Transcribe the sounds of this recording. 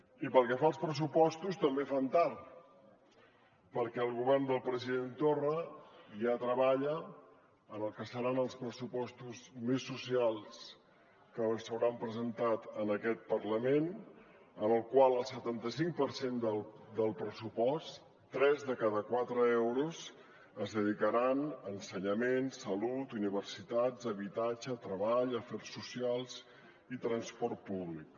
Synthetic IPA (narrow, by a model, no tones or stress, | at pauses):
ipəlˠkɛfaəlˠspɾəsupɔst̪ust̪əmbefant̪aɾ | pəɾkɛəlˠɣuβɛrnd̪əlˠpɾəziðent̪orəʒat̪ɾəβaʎə | ənəlˠkəsəɾanəlˠspɾəsupɔst̪uzmesːusialˠs | kənsəwɾampɾəzənt̪at̪ənəkɛt̪̚pərləmen | ənəlˠkwalˠəlˠsət̪ant̪əsiŋk̚pəɾsend̪ə | d̪əlˠpɾəsupɔs | t̪ːɾɛzðəkaðəkwat̪ɾəeɛwɾuz | əzðəðikəɾanənsəɲəmensəlut̪uniβərsit̪ad͡zəβit̪ad͡ʒət̪ɾəβaʎəfɛɾsːusialˠz | it̪ɾənspɔrt̪̚puβlik̚